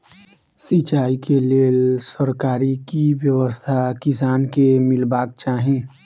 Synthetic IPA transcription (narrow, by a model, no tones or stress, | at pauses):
sit͡ʃaːikeleːlsəɾkaːɾikiʋjəʋəst̪ʰakɪsaːnkemɪlbaːk̚t͡ʃaːɦẽː